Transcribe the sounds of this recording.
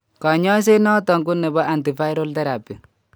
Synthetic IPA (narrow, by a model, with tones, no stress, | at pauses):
kɔ˨ɲɔ˦s̬e˦nɔ˦tɔ˨ŋku˦nɛ˨bɔ˦ʔa˨nti˨fa˦jɾo˦ltɛ˦ɾa˨pi˨